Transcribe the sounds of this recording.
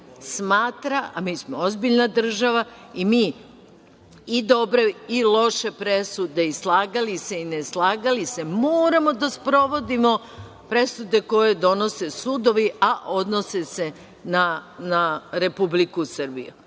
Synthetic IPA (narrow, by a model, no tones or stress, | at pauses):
smaːt̪ɾaa̰miːsmoozbiʎnad̪r̩ʒaʋa | imiː | d̪o̞bɾe̞ilˠo̞ʃe̞pɾe̞sud̪e̞islˠaːɡaliseineslˠaːɡalise̞moːɾamo̞d̪aspɾo̞ʋo̞d̪imo | pɾe̞sud̪e̞ko̞je̞d̪o̞no̞sesuːd̪o̞ʋiaʔo̞d̪nosese̞ | nanaɾe̞publikusr̩bḭjṵ